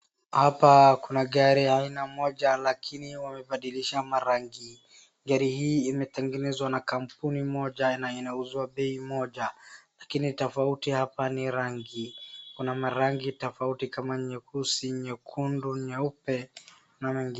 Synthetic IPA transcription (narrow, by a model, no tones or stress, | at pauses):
hapakunaɠaɾiainamɔʄalakʰiniwamɛɓaɗiliʃamaɾaŋɡi | ɡaɾihiːmɛtɛŋɡɛnɛzwanakam̩punimɔʄanainauzwaɓɛimɔʄalakinitɔfautihapaniɾaŋɡikunamaɾaŋɡitɔfautikamaɲɛkʰusiɲɛkʰunduɲɛupɛ | namɛŋɡin